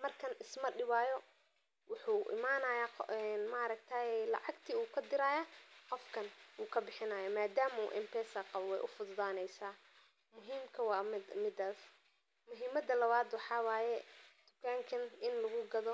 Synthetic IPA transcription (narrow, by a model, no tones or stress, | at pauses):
mɐrkʰɐnɪsmɐɖɪβaːjɔ | wʊħuːʔɪ̰maːnɐːjaɛnmaːɾɐɡt̪ʰaːjɛlɑ̰ʕɑɡt̪ʰiːuːkʰɐd̪ɪɾaːjaːqɔfkʰɐnwuːkʰɐbɪħɪnaːjɐmaːd̪aːmṵːʔɪ̰mpʰɛːsɐqɑβwɛjʔʊfʊd̪ðaːnɛjsaː | mʊɦiːmkʰɐwɑːmɪmɪd̪aːs | mʊɦiːmɐd̪ɐlɐβaːd̪wɑħɑːwaːjɛd̪̥ʊkʰaːŋkʰɐnɪnlɐɣʊɡɐðɔ